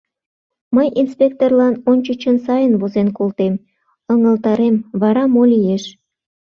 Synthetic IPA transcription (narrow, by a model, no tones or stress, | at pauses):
məjinspʲek̚t̪orlˠɑnont͡ɕət͡ɕənsɑjənβozenkolt̪em | əŋə̆lt̪ɑɾemβɑɾɑmolʲijeʃ